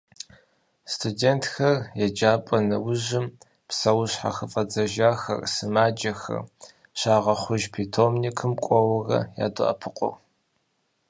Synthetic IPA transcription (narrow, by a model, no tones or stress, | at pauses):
stʰudeːntʰxɐrjɛd͡ʒaːpʼɐnɐwʊʑɪm | psɐwɕħa̰xɨfʼɐd͡zɐʒaːxɐ̰rsɨmaːd͡ʒɐxɐ̰r | ɕaːʁɐχʷʊʒpʰitʰomnikʰɨmkʷʼɔwɐrɐ̰ja̰ːdʊʔɐ̰pʰɨqʷʼʊ̰r